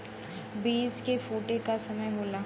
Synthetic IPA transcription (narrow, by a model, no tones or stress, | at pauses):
biːskefoːʈekasɐməjboːlaː